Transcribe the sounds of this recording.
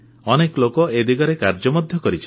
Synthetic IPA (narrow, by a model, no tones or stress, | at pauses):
ɔnekɔlokɔed̪iɡɔɾekaɾd͡ʒɔmɔd̪ʱjɔkɔɾit͡ʃʰi